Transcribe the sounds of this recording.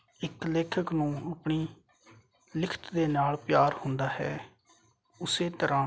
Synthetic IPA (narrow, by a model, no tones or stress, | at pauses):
ɪkleːkʰəknũːaːpɳiː | lɪkʰə̥t̪d̪eːnaːlpjaːɾhʊnd̪aːɦɛ̰ː | ʊseːt̪əɾãː